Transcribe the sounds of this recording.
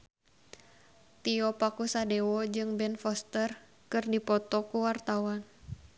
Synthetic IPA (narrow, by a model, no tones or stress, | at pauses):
t̪iɔpakusadewɔd͡ʒɨŋbɛnfɔst̪ər | kɨrdipɔt̪ɔkuwart̪awan